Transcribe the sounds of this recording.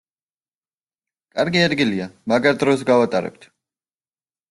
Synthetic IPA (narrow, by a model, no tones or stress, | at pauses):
kʼaɾɡiɛd̪ɡiliamaɡaɾd̪ɾɔsɡavat̪ʼaɾɛ̰b̚t̪ʰ